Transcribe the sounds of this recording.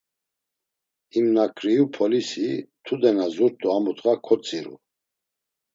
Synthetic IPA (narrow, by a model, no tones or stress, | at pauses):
imnakʰɾiupʰɔlisit̪ʰud̪ɛnazuɾt̪ʼuamut̪ʼɣakʰɔt͡sʼiɾṵ